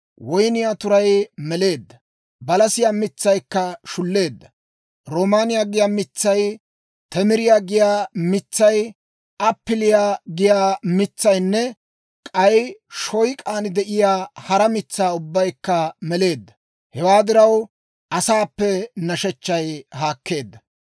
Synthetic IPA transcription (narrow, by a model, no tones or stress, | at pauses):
wɔjnɪjaːt̪ʊɾɐjmɛle̞ːd̪ːɐ | bɐlɐsɪjaːmɪt͡sːɐjkːɐʃʊlːe̞ːd̪ːɐ | ɾoːmaːnɪjaːɡɪjaːmɪt͡sːɐj | t̪ɛmɪɾɪjaːɡɪjaːmɪt͡sːɐj | ɐpːɪlɪjaɡɪjaːmɪt͡sːɐjnːɛ | kʼɐjʃɔjkʼaːnɪd̪ɛʔɪjaːhɐɾɐmɪt͡sːaːʊbːɐjkːɐmɛle̞ːd̪ːɐ̥ | hɛwaːd̪ɪɾɐw | ʔɐsaːpːɛnɐʃɛt͡ʃːɐjhaːkːe̞ːd̪ːɐ